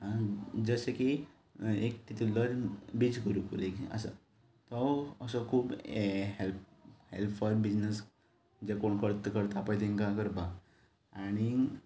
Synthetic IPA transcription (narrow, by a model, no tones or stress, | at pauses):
ãd͡zəseki | ekʈit̪uləɾbit͡sɡəɾupuɾekə̰sa̰ | t̪ɔəsɔkʰuːbɦelphelpʰɔɾbid͡znes | d͡ʑekoɳkʰəɾt̪kəɾt̪apajt̪ʰeŋkakəɾba | aɽ̃i